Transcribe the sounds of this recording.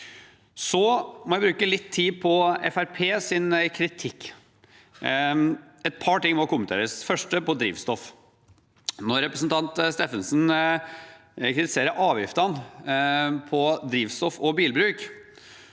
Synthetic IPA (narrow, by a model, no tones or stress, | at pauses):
sɔmɔjæɪbɾʉːkəlɪt̪ʰːiːpʰɔɛ̰fæɾpʰeːsɪnkʰɾɪt̪ʰɪkː | ɛt̪̚pʰɑʈɪŋːmɔkʊmənt̪ʰḛːɾəsfœʂʈəpɔd̪ɾḭːʋst̪ɔf | nɔɾːɛpɾəsnt̪ʰɑnt̪st̪eːfənsn | kʰɾɪt̪ɪseːɾəɾʔɑːʋjɪft̪əɑn | pʰɔd̪ɾiːʋst̪ɔfɔbiːlbɾʉːk